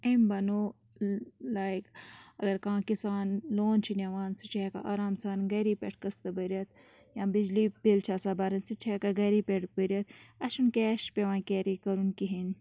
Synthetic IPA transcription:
embɐnoː | laːjkɐɡɐɾkãːkisaːnloːnt͡ʃʰinɐʋaːnsut͡ʃʰeːka̰ʔaːɾaːmsaːnɡɐɾipʲeʈʰkɐst̪ɐbɐɾiɐt̪̚ | jãːbid͡ʒlibelt͡ʃʰaːsaːbaːɾɐnsit͡ʃʰeːkaɡɐɾipeʈbəɾɐt̪̚ɐʃunkeːʃpeʋãːkeːɾikɐɾunkiɦin

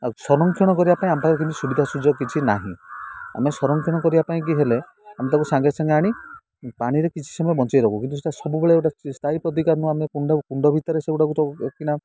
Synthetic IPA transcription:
sɔɾɔŋkʰjɔɽ̃ɔkɔɾibapaĩampakɾɔkint̪usubid̪ʱasud͡ʒɔkit͡ʃʰina̰ɦḭ̃a̰mesɔɾɔŋkʰjɔɽ̃ɔkɔɾibapaĩk̬iɦele | amet̪akusaŋɡesaŋɡeaɽ̃i | paɽ̃iɾekit͡ʃʰi̥sɔmɔjɔbɔnt͡ʃajɾɔkʰukint̪us̬eʈasɔbubeɭɔewʈast̪ʰaipɾɔt̪̬ikaɾnuamekuɳɖɔkuɳɖɔbʱit̪ɔɾeseuʈakukina

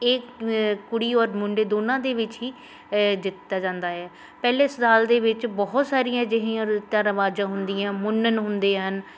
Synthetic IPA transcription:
eːkʊɽiːɔːɾmʊɳɖeːd̪oːnãːd̪eːʋɪt͡ʃɦiː | d͡ʒɪt̪ːaːd͡ʒãːnd̪aːɛː | pɛːleːsəd̪aːld̪eːʋɪt͡ʃbɔːt̪saːɾɪjãːd͡ʒɪɦiãt̪aɾʋaːd͡ʒãːɦʊnd̪ɪjãːmʊnːənɦʊnd̪eːɦən

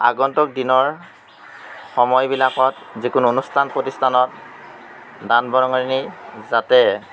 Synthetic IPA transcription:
a̰ɡɔntɔk̚dinɔɹ | xɔmɔjbilakɔt̚ | zikunuonustʰanpɹotistʰanɔt̚ | danbɔɹɔŋɔɹinizatɛ

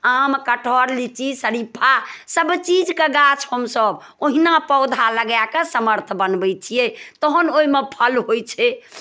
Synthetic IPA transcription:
amkəʈʰɔɾlit͡ʃisəɾipʰasəbt͡ʃid͡ʒkeɡat͡ʃʰhəmsəb | oɦinapəʊd̪ʱaləɡjakesəməɾt̪ʰbənbɛjt͡ʃʰijɛt̪ɔɦənoimepʰəlɦojt͡ʃʰɛ

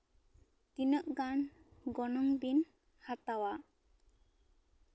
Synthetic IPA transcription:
t̪inəʔɡanɡɔnɔŋbin | hat̪awa

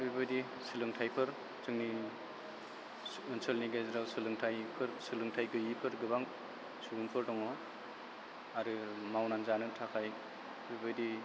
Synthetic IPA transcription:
bibɯjdi | sɯlɯŋtʰajpʰɯɾ | t͡ʃɯŋni | ɯnsɯlniɡezɾawsɯlɯŋtʰajpʰɯɾsɯlɯŋtʰajɡɯipʰɯɾɡɯbaŋ | suɡɯnpʰɯɾdɔŋɔ | aɾɯmawnanzanɯtʰakʰaj | bibɯdi

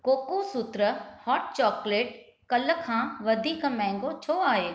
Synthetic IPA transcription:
koːkusut̪ɾəhɔːʈ̚t͡ɕɔːkleːʈ̚ | kɐləkʰãːʋɐd̪ʱiːkmɛ̃ːŋ̆ɡot͡ɕʰoːaːɦeː

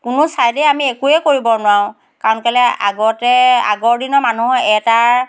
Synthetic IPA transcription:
kʊnʊsajdɛamiekuɛkoɹibɔnwaw̃ | kaɹɔnkalɛa̰ɡɔtɛa̰ɡɔɹdinɔɹmanuɛta

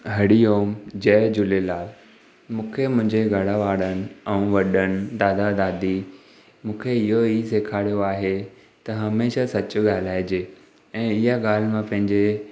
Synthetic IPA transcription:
ɦɐɽijoːmd͡ʑɐːd͡ʑʊlelaːl | mũːkʰemʊ̃ɦɪ̃ɲd͡ʑeɡʱɐɽaʋaːɽənɪ̆ɛ̃ʋɐɗənɪ̆d̪aːd̪ad̪aːd̪i | mũːkʰeɪɦoiseːkʰaːɽijoaːɦe | t̪ɐɦɐmeːʃasɐt͡ɕʊ̆ɠaːl̤aːɪd͡ʑeː | ɛ̃ːɪɦaɡaːl̤mãpɐ̃ɦɪ̃ɲd͡ʑe

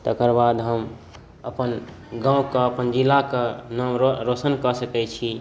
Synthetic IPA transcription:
t̪əkəɾbad̪ɦəm | əpən | ɡãũkaəpənd͡ʒilːakanəmɾoɾosənkəsəkɛt͡ʃʰi

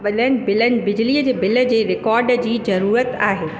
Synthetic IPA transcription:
ɓɐɗənɪ̆bɪlənɪ̆bɪd͡ʑliːəd͡ʑeːbɪlə̆d͡ʑeːɾɪkɔːɾɖd͡ʑiːzɐɾuːɾət̪aːɦeː

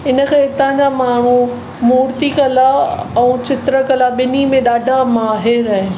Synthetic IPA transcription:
ɪnəkʰẽɪt̪ãɲd͡ʑamaːɳ̤ũ | muːɾt̪ikɐlaɛ̃ːt͡ɕɪt̪ɾəkɐlaɓɪnimẽɗaːɖʱamaːɦɪɾaːɦe

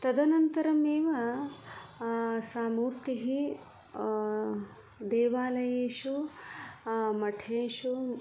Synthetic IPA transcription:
t̪ɐd̪ɐnɐnt̪ɐɾɐmeːʋɐ | saːmuːɾt̪iɦi | d̪eːʋaːlɐjeːʂu | mɐʈʰeːʂu

